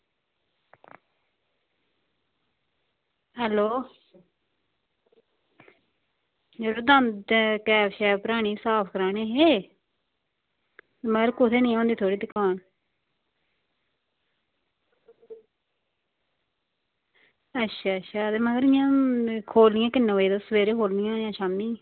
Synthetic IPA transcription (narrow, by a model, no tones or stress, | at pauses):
ɦɛːloː | d͡ʒəloːd̪ənkɛːpʃɛːpəɾaːɽ̃iːsaːpʰkəɾaːneːɦeː | məɡəɾkʊt̪ʰeːnĩːõːnd̪iːt̪ʰoːɽiːd̪ɪkʰaːn | ətːʃʰaːətːʃʰaːd̪eməɡəɾɪjãːkʰoːlnɪːãːkɪnːẽːʋəiːd̪oːsəʋeːɾeːkoːlnɪjãːjãːʃaːmniː